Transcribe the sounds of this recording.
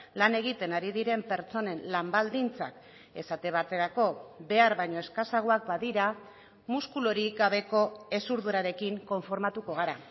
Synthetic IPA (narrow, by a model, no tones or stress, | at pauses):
lane̞ɣ̞it̪e̞naɾið̞iɾe̞mpe̞ɾt͡so̞ne̞nlambald̪int͡sa̰k | e̞sat̪e̞β̞at̪e̞ɾako̞be̞aɾβajɲo̞e̞skasaɣ̞oak̚baðiɾa | muskuloɾiɡaβ̞e̞ko̞e̞suɾðuɾaɾe̞kiŋko̞ɱfo̞ɾmat̪uko̞ɣ̞aɾa